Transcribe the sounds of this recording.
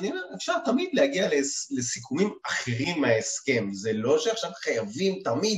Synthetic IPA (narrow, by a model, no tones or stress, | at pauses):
aniomeʁefʃaʁt̪amid̪lehaɡialele̞sikʰumimaχeʁimaeske̞mzelo̞ʃeaχʃavχajavimt̪amid̪